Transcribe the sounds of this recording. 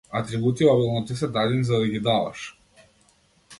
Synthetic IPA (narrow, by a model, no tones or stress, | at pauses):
at̪ɾibut̪iablˠnɔt̪ɛs̬ɛd̪ad̪inizad̪aɡʲid̪ava̰ʃ